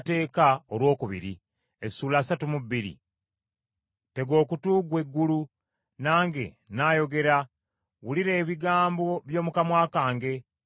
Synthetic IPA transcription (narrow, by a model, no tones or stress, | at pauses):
te̞ːkaolwo̞ːkuβḭɾḭ | esuːlaːsatumubiɾḭ | te̞ɡo̞ːkutuːɡwe̞ɡːulu | naːŋɡe̞̰ | naːjo̞ɡe̞ɾa | wuliɾe̞ːβiɡaːmbo̞βjo̞ːmukamwaːkaːŋɡe̞